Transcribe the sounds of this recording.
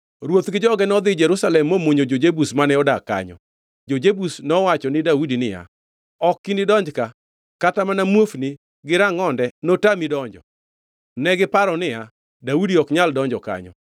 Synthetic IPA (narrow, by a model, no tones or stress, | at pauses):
ɾwot̪ɡɪd͡ʒɔɡɛnɔd̪ɪd͡ʒɛɾusalɛmːomoɲod͡ʒod͡ʒebusmanɛɔdaka̰ɲɔ̰ | d͡ʒod͡ʒebusnɔwat͡ʃɔnɪdaudinɪja̰ | ɔkːinɪdɔɲd͡ʒka | katamanamwofni | ɡɪɾaŋɔndɛnotamidɔɲd͡ʒɔ̰ | nɛɡɪpaɾɔnɪja | daudiɔkɲaldɔɲd͡ʒɔka̰ɲɔ̰